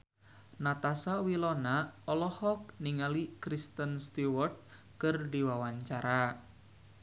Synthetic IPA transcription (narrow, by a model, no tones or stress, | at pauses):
nat̪asawilɔnaɔlɔhɔk̚niŋalikɾist̪ənst̪uwɔrt̪̚ | kərdiwawaɲt͡ʃaɾa